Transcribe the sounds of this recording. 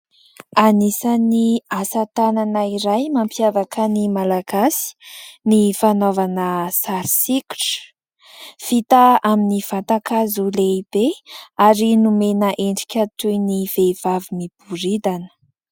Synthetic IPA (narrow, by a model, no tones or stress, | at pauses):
anisaniasat̪ananaiɾajmampjavakənimalaɡasi̥nifanovanəsaɾisikʲu̥ʈ͡ʂ | fit̪aaminiv̥at̪akazuleib̥eaɾinumenəʔeɳɖ͡ʐi̥kʲət̪ujniv̥ev̥avimib̥uɾid̪anə̥